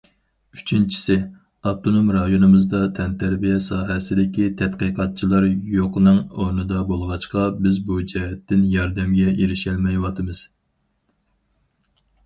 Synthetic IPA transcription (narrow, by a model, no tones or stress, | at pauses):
yt͡ʃʰint͡ʃʰi̥sɪ | ɑb̚t̪ʰonomɾɑjonɨmɨzd̪ɑt̪ʰɛnt̪ʰæɾbijɛsɑːɦɛsɪd̪ɪkʲit̪ʰɛt̪qijqʰɑt̪̚t͡ʃʰilˠɑɾjoqənɨŋonɨd̪ɑbolˠʁɑt͡ʃqɑbɪzbud͡ʒɛɦɛt̪ːɪnjɑɾd̪ɛmɡʲɛʔeɾɪʃɛlmɛjwɑt̪ʰɨmɨz̥